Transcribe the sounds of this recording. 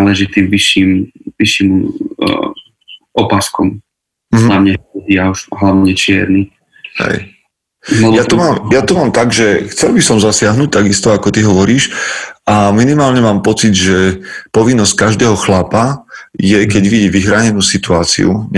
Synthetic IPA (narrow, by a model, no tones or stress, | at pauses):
lɛʒit̪iːmʋiʃiːmʋiʃim | ɔpaskɔm | m̩ɦlamɲaɛdiauʃɦlaʋɲɛt͡ʃɪɛ̰ɾni | hɦɛ̰j | mɔjat̪ɔmaːmjat̪ɔmaːmt̪aɡʒɛxt͡sɛlbisɔmzasɪaɦnuːc̚t̪aɡist̪ɔakɔt̪iɦɔʋɔɾiːʃʔaminimaːlɲɛmaːmpɔt͡sid̪ʒɛpɔʋinːɔsc̚kaʒd̪ɛːɦɔxlapajɛkɛɟʋiɟiʋixɾaːɲɛnuːsit̪uaːt͡sḭṵɲ